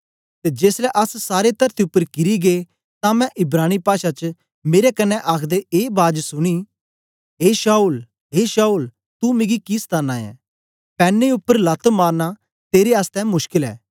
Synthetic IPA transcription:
t̪ed͡ʒeːslɛʔɐssaːɾet̪ɐɾt̪iʊpːəɾkɪɾiɡeː | t̪ãmɛ̃ʔɪbɾaːñipaːʃat͡ʃə | meːɾekɐnːɛʔaːkʰd̪eeːbaːd͡ʒsʊɽ̃i | ɦeːʃaːuːl | ɦeːʃaːul | t̪umẽɡikist̪ʰaːnãːɛ̰̃ː | pɛːnːeʊpːəɾlɐt̪maːɾna | t̪eːɾeaːst̪ɛ̃mʊʃkɪlɛ̰ː

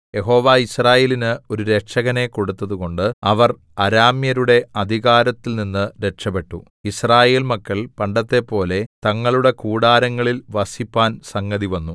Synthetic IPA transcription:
je̞ɦo̞ːʋaːisraːje̞ːlinɨo̞ɾuɾe̞kʂɐɣɐne̞ko̞ɽut̪ːɐðuɣo̞ɳɖɨɐʋɐr | ɐɾaːmjɐɾuɽe̞ɐd̪ʱiɣaːɾɐt̪ːilninːɨɾe̞kʂɐpe̞ʈːu | israːje̞ːlmɐkːɐɭpɐɳɖɐt̪ːe̞pːo̞ːle̞t̪ɐŋːɐɭuɽe̞kuːɽaːɾɐŋːɐɭilʋɐsipːaːnsɐŋɡɐðiʋɐnːu

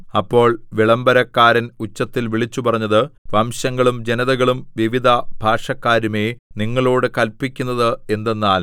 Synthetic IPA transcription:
ɐpːo̞ːɭʋiɭɐmbɐɾɐkːaːɾɐnut͡ɕːɐt̪ːilʋiɭit͡ɕːupɐrɐɲːɐðɨʋɐmɕɐŋːɐɭumd͡ʑe̞nɐðɐɣɐɭumʋiʋid̪ʱɐbʱaːʂɐkːaːɾume̞ːniŋːɐɭoːɽɨkɐlpːikʲːunːɐðɨe̞nd̪e̞nːaːl

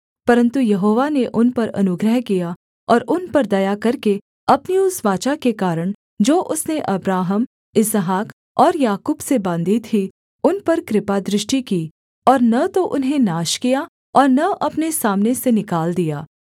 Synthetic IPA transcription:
pɐɾə̃nt̪ujɐɦoːʋaneʔʊnpɐɾɐ̰nʊɡɾəɦkija | ɔːɾʔʊnpɐɾd̪ɐjakɐɾke | ɐpniʊsʋaːt͡ʃakekaːɾəɽ̃ | d͡ʒoːʔʊsneʔɐbɾaːɦəm | ɪsəɦaːk | ɔːɾjaːkuːbsebãːnd̪iːt̪ɦi | ʊnpɐɾkɾɪpad̪ɾɪʃʈikiː | ɔːɾnɐt̪oʔʊnɦẽnaːʃkija | ɔːɾnɐʔɐpnesaːmnesenɪkaːld̪ijaː

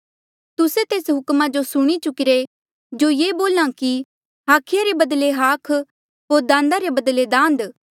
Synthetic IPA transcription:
t̪ʊset̪eːsɦʊkmad͡ʒosʊɽ̃it͡ʃʊkɪɾe | d͡ʒojeːboːlãki | ɦaːkʰɪjaɾebɐd̪leɦaːkʰ | ɦoːɾd̪ãːn̆d̪aɾebɐd̪led̪ãːnd̪

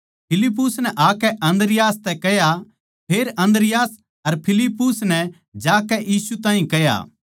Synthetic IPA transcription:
pʰɪlɪp̬ːʊsnɛʔaːkɛʔɐ̃nd̪ɾɪjaːst̪ɛkɛja | pʰeːɾɐ̃nd̪ɾɪjaːs | ɐɾpʰɪlɪpːʊsnɛ | d͡ʒaːkɛjiːsut̪aːɦĩkɛja̰ː

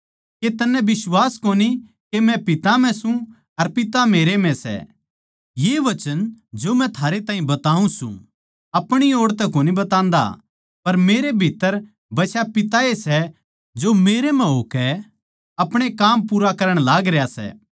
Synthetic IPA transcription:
ket̪ɐnɛ̃bɪswaːskoːni | kemɛ̃pɪt̪am̤ɛ̃sũ | ɐɾpɪt̪ameːɾemɛ̃sɛ̰ | jeːʋɐt͡ʃənd͡ʒomɛ̃t̪ʰaːɾet̪ãːĩbɐt̪aːũsṵ̃ | ɐpɽ̃ioːɽt̪ɛkoːnibɐt̪ãːnd̪a̰ | pɐɾmeːɾebʱit̪ːəɾ | bɐsʰjapɪt̪aesɛ | d͡ʒoːmeːɾem̤ɛ̃ɦoːkɛ | ɐpɽ̃ekaːmpuːɾakɐɾəɽ̃laːɡɾejasɛ̰ː

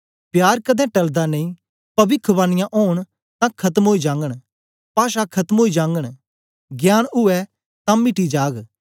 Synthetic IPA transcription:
pjaːɾkəd̪ɛ̃ːʈɐld̪anəĩ | pɐʋɪkʰːəbãːnɪjãʔoːɳ̃ | t̪ãːkʰɐt̪əmɦoːid͡ʒãːŋɡəɽ | paːʃakʰɐt̪əmɦoːid͡ʒãːŋɡəɽ̃ | ɡjaːnʊɛ | t̪ãːmɪʈid͡ʒaːɡ

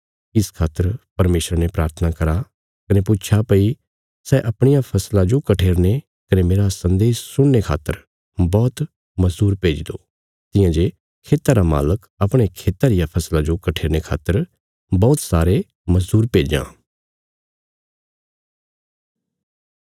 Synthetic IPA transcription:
ɪskʰaːt̪ːəɾpɐɾmeːsɾanepɾaːɾt̪ʰənakɐɾa | kɐnepʊːt͡ʃʰapɐi | sɛʔɐpɽ̃ɪjapʰɐslãd͡ʒokɐʈʰeːɾne | kɐnemeːɾasɐ̃nd̪eːssʊɽ̃ːekʰa̰ːt̪ːəɾ | bɔːt̪ | mɐzd̪uːɾpeːd͡ʒd̪o | t̪ɪ̃jãd͡ʒe | kʰeːt̪aɾama̰ːlək | ɐpɽ̃ekʰeːt̪aɾɪjapʰɐslãd͡ʒokɐʈʰeːɾñekʰa̰ːt̪ːəɾ | bɔːt̪saːɾe | mɐzd̪uːɾpeːd͡ʒã̰ː

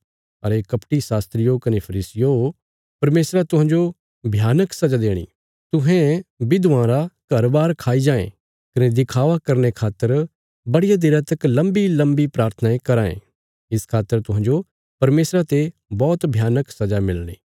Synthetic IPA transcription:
ɐ̰ɾekɐpʈisaːst̪ɾɪjokɐnepʰɐɾiːsɪjo | pɐɾmeːsɾat̪ʊɦãːɲd͡ʒo | bʱjaːnəksɐd͡ʒad̪eːɽ̃ḭː | t̪ʊɦẽbɪd̪ʋãːɾakɐɾbaːɾkʰaːid͡ʒaːḛ̃ | kɐned̪ɪkʰaːʋakɐɾnekʰaːt̪ːəɾ | bɐɽɪjad̪ɪɾət̪əklɐ̃mbilɐ̃mbipɾaːɾt̪ʰənaekɐɾaːḛ̃ | ɪskʰaːt̪ːəɾt̪ʊɦãːɲd͡ʒo | pɐɾmeːsɾat̪ebɔːt̪bʱjaːnəksɐd͡ʒamɪlɽ̃ḭː

